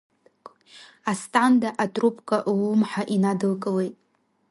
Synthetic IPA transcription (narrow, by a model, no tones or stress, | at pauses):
astʼandaʔatʼrupʰʼkʼaʔwumħaʔinadɨlkʼəwejtʼ